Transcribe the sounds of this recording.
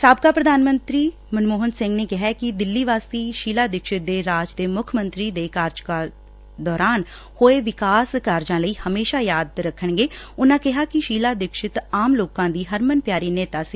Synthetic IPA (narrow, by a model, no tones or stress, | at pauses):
saːbkaːpɾəd̪aːnmənt̪ɾiː | mənmoːɦənsɪŋɡneːkɪɦaːkɪd̪ɪlːiːʋaːst̪iːʃiːlaːd̪ɪkʃɪt̪̚d̪eːɾaːd͡ʒd̪eːmʊkʰmənt̪ɾiːd̪eːkaːɾd͡ʒkaː | d̪ɔːɾaːn | hoːeːʋɪkaːskaːɾd͡ʒãːləiːhəmeːʃaːjaːd̪ɾəkʰːəɳɡeːʊnãːkɪɦaːkɪʃiːlaːd̪ɪkʃɪt̪aːmloːkãːd̪iːɦəɾmənpjaːɾiːneːt̪aːsiː